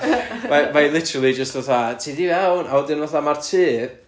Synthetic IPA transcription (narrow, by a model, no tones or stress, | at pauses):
mamalˠɪtʰəɾalˠid͡ʒəstvaθatʰiːdivɛwnaɔdɪnvaθamartʰɨːp̚